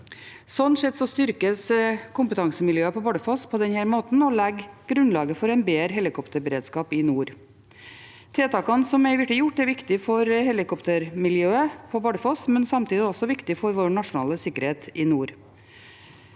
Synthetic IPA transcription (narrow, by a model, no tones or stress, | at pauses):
sɔnːʂɛt̪ːsɔst̪ʏɾkəskʊmpət̪ʰɑŋsəmɪljøːəpʰɔbɑːɖəfɔspʰɔd̪ɛnhæːɾmoːt̪n̩ɔlɛɡɡ̥ɾʉnlɑːɡəfɔɾɛɪnbeːɾɦɛlɪkʰɔpt̪əɾbəɾeːd̪skɑːpɪnuːɾ | t̪ʰeːt̪ʰɑːkɑnsɔmæɪʋɪʈːəjʊʈːɛɾʋɪkt̪ɪfɔɾhɛlɪkɔpt̪əɾmɪljøːəpʰɔbɑːɖəfɔsmɛnsɑmt̪ʰiːd̪ɪɔsɔʋɪkt̪ɪfɔɾʋoːɳɑʂʊnɑ̰ːləsɪkːəɾheːt̪ɪnuːɾ